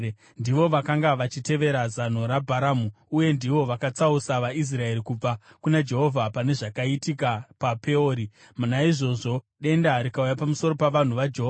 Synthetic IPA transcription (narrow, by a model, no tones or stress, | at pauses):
ndiʋo̞ʋakaŋɡaʋat͡ʃite̞ʋe̞ɾazan̤o̞ɾabʱaɾamu | uje̞ndiʋo̞ʋakat͡sausaʋais̬rae̞ɾikub͡va | kunad͡ʒe̞ɦo̞vʱapane̞ʐakaitikapape̞oːɾi | munaiʐo̞ʐo̞ | ɗe̞ndaɾikaujapamuso̞ɾo̞paʋan̤uʋad͡ʒeɦoa